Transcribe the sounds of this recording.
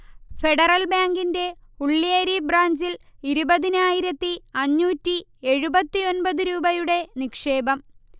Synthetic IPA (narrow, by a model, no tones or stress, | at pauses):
fe̞ɽɐrɐlbaːŋɡinde̞ | uɭːieɾibraːɲd͡ʑiliɾubɐðinaːjiɾɐt̪ːiɐɲːuːtːieɻubɐt̪ːio̞nbɐðuɾuːbɐjuɽe̞nikʂe̞ːbɐm